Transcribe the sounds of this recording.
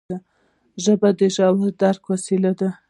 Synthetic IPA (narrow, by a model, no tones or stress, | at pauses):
a | ʒəbad̪əʒɑwaɾd̪aɾkwasilad̪a